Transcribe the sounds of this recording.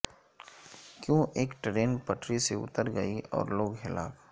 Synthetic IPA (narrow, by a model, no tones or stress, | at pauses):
kjõːʔeːkʈɾeːnpəʈɾiseʊ̰t̪əɾɡɐiɔ̰ːɾloːɡɦɪla̰ːf